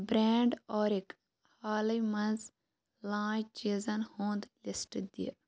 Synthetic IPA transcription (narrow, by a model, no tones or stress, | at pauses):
bɾeːɳɖɔːɾek | haːlɐjmɐ̃nz | lãːjt͡ʃiːzɐnhõːnd̪lɪsʈd̪ḭ